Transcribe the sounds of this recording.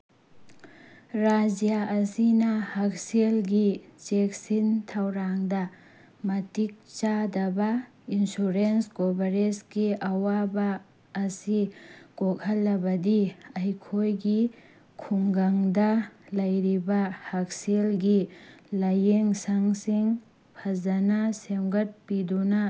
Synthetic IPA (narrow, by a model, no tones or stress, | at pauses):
ɾad͡ʒijaʔɐsinɐhak̚selɡit͡ʃek̚sintʰɐwɾaŋdɐ | mɐtik̚t͡ʃadɐbɐ | insuɾenskobɐɾesɡiʔɐwabɐː | siɡ̥ok̚hɐlːɐbɐdiɐjkʰojɡi | kʰuŋɡaŋdɐlɐjɾibɐhak̚selɡilɐjeŋsaŋsiŋ | pʰɐzɐnɐsemɡɐt̚pidunɐ